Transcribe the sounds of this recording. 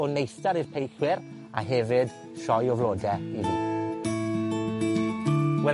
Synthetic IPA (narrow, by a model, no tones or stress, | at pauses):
ɔnejstaɾirpʰejχwɪɾ | a̰ɦɛvɪd̥ | ʃɔjɔvlˠoːdɛivi | wɛ